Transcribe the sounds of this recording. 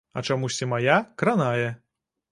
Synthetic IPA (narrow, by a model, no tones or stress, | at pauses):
ɐ̰t͡ʂamusʲt͡sʲimajakɾanajɛ